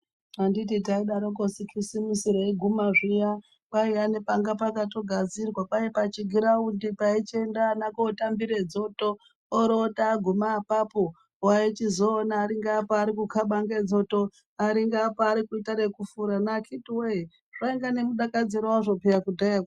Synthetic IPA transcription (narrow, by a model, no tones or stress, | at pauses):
andit̬it̬aiɗaɾokosikisimisiɾoiɡʱumaʐija | paianepaŋɡapakato̞ɡʱad͡zirwapajepat͡ʃiɡʱiɾaundipait͡ʃendaːnakoːtambiɾed͡zo̞toː | ɾotaːɡʱumaːpapo | wait͡ʃizo̞ːnaːɾiŋɡaːpoaɾikukʰaɓaŋɡed͡zo̞to | aɾiŋɡaːpoaɾikuitaɾe̞kufuɾanakʰitiwee | ʐ̥aiŋɡane̞muɗakad͡ziɾoaʐo̞pejakudʱaaka